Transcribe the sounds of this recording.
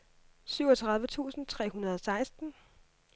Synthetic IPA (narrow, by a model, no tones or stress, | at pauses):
syʊ̰ɒ̽t͡sʰʁɑ̈ð̞ˠʋət͡sʰṵːsn̩t͡sʰʁɛ̰ːhunɐð̞̩ˠɒ̽sɑ̈ɪsd̥n̩